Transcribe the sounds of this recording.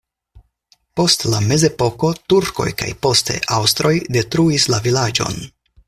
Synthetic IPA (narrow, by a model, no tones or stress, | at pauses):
po̞stlame̞ze̞po̞ko̞tuɾko̞̰jka̰jpo̞ste̞̰ʔawstɾo̞jde̞tɾuislavilad͡ʒo̞̰n